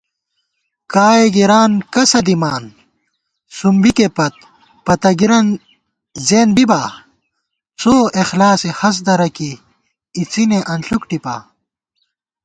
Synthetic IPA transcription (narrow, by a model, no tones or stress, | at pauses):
kaːjeɡiɾaːnkɐsɐd̪imaːn | sumbikepɐt̪̚ | pɐt̪ɐɡiɾɐn | zeːnbibaː | soːexlaːsehɐs̬d̪ɐɾɐkiː | t͡sineʔɐnɬukʈipa̰ː